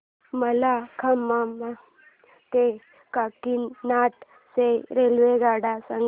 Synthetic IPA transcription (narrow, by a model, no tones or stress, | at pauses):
məlakʰəmːamːa | t̪e | kakinːaʈ | seɾelʋeɡaɽasəŋ